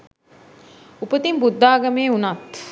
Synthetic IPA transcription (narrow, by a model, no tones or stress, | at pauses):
upət̪imbud̪ːaːɡɐmeːunat̪